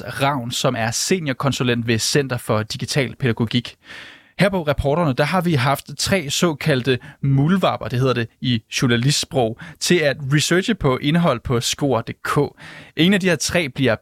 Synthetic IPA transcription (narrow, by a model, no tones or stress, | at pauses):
ʁɑ̈ʊ̰nsɒ̽mæɐse̝̰ːnjɐkʰɒ̽nsulen̰d̥ʋe̝sen̰d̥ɐfɒ̽d̥iɡ̥it͡sʰɛ̰ːlpʰe̝ɾ̥æɡ̥o̝ɡ̥iɡ̥ | heɐ̰pʰɒ̽ʁɑpʰɒːɾ̥ɐnəd̥ɑ̈ɦɑ̈ʋiɦɑ̈fd̥t͡sʰʁɛ̰ːsɒ̽ːkʰæl̰d̥əmulʋɑ̈ːb̥ɐd̥e̝ɦe̝ð̰ˠɐd̥e̝iɕuɐnælisd̥sb̥ʁɔʊ̰t͡sʰe̝læd̥ʁisøːɕəpʰɒ̽ʔe̝nɦɒ̽l̰pʰɒ̽sɡ̥o̝̰ːɐ̰d̥e̝kʰɔ̰̽ːʔe̝ŋn̩æd̥ihe̝ɐt͡sʰʁɛ̰ːb̥liɐ